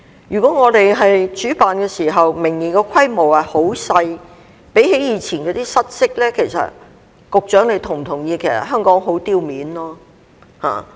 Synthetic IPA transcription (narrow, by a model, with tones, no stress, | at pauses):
jyː˨kɔː˨˥ŋɔː˨˧t̪e˨jɦɐ˨jt͡ʃyː˨˥paː˨nkɛː˧siː˨˩ɦɐ˨wmɪ˨˩ŋjiː˨˩kɔ˧kʰɐ˥jmo˨˩whɐ˨jho˨˥wsɐ˧j | pe˨˥jɦe˨˥jiː˨˧t͡sʰiː˨˩nkɔː˨˧t̪iː˥sɐ˥t̚sɪ˥k̚lɛː˥kʰe˨˩jsɐ̰˨t̚ | kʊ˨k̚t͡ʃœː˨˥ŋle˧jt̪ʰʊ˨˩ŋ˨t̪ʰʊ˨˩ŋjiː˧kʰe˨˩sɐ̰˨t̚ɦœː˥ŋkɔː˨˥ŋɦo˨˥wt̪iː˧wmiː˨˥nlɔː˥ | ha̰ː˨˩